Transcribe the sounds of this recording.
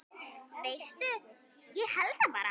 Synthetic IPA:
vejst̪ʏ | jɛɣhɛlt̪apa̰ːɾa̰

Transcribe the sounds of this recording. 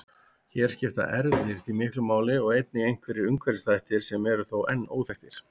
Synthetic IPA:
çɛːɾ̥scɪft̪a̰ʔɛɾðɪɾ̥θimɪhklʏmaːwlɪɔɣejt̪̚nɪejŋ̥kvɛɾɪʏŋkvɛɾst̪ajht̪ɪɾ̥sɛmɛɾʏθowʔɛnːo̰ːwt̪ɛht̪ɪɾ̥

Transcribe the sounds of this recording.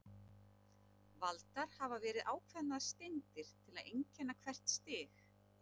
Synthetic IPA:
valt̪aɾ̥havavɛːɾɪðʔaːwkʰvɛnaðḁst̪ejnt̪ɪɾ̥t̪ʰɪlaðejɲcɛnːakʰvɛr̥t̪st̪ɪːx

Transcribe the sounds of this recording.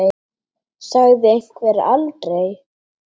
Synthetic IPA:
saɣðɪejŋ̥kvɛɾa̰lt̪ɾej

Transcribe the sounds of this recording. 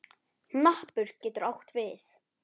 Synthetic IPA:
nahpʏɾ̥cɛːt̪ʏɾawht̪vɪθ

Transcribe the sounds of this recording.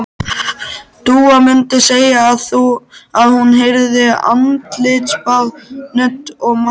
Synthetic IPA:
t̪uːamʏnt̪ɪseːjaːðθuaðhunɦɪɾðɪa̰nt̪lɪt̪spalnʏt̪ɔɣma

